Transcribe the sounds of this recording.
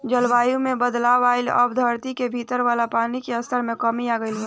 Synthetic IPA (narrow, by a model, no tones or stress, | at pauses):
d͡ʒəlʋaːjũmẽbəd̪laːʋaːɪlɔ̰bd̪ʱəɾt̪ikebʱiːt̪əɾʋaːlapaːnikeəst̪əɾmẽkəmiaːɡəɪlɦe